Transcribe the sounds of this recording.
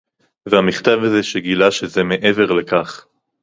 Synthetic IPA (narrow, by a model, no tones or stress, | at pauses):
veamiχt̪avazeʃeɡilaʃezemeʔeveʁlekaχ